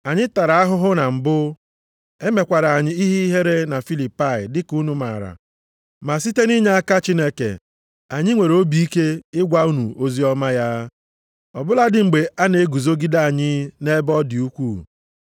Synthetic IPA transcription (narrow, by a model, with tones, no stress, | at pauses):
a˨ɲɪ˦ta˨ɾa˨a˦ɦʊ˦ɦʊ˦na˨m̩˨bʊ˦ | e˦me˨kʷa˨ɾa˨a˨ɲɪ˦i˦ɦi˦i˦ɦe˦ɾe˦na˨fi˦li˨pa˦˨ɪ˨dɪ˦ku˦nu˦ma̰˨ɾa̰˨ | ma˨s̬i˦te˦ni˦ɲe˦a˦ka˦t͡ʃi˦ne˦kḛ˨ | a˨ɲɪ˦ŋʷe˨ɾo˦bi˨i˦ke˦ɪ˦ɡʷa˦u˦nu˨o˦zi˦ɔ˦ma˦ja˦ | ɔ˨bʊ˦la˦dɪ˦ŋ͡m̩˨ɡ͡be˨a˦ne˨e˦ɡu˨zo˦ɡi˦da˦a˨ɲɪ˦ne˦bɔ˦dɪ˨u˦kʷu˦